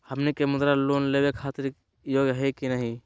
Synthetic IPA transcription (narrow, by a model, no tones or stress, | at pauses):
həmnikemʊd̪ɾaloːnlebekʰaːt̪ɪɾ | joːɡɦekinəɦĩ